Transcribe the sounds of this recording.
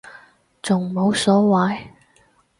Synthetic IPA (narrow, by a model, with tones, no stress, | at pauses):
t͡sʊ˨ŋmo˨˥wsɔː˨˥waː˨˥j